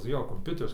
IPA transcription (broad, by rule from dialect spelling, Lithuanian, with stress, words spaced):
ˈjoː koːmʲˈpʲʊtʲɛrʲɪs